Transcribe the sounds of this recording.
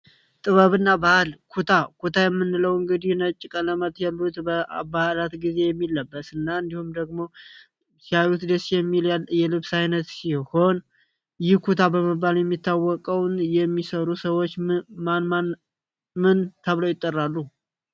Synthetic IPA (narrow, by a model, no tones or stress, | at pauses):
t̪ʼɨβəβɨnːabahlkʰut̪ʰakʰut̪ʰajɛmːɨnːɨləwɨŋɡɨd̪ihnət͡ʃʼːɪkʼələmət̪jalːut̪bəa̰balat̪ɡize̞jɛmːilːəbːəsɨnːaɨnd̪ihumd̪əɡmo̞ | sjajut̪d̪əsijɛmːilajɛlɨβsajnət̪siho̞n | jɪhkʰut̪ʰabəmɨbːaljɛmːit̪ʰːawːɔkʼəwnjɛmːisəɾusəwot͡ʃːmnma | mɨnt̪ʰəβləwjɪt̪ʼːərːalːu